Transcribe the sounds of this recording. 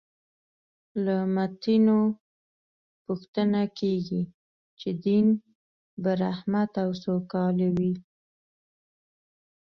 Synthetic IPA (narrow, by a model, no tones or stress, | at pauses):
lamat̪ino | puxt̪ənakeɡi | t͡ʃed̪in | baɾahmat̪awsokɑlawi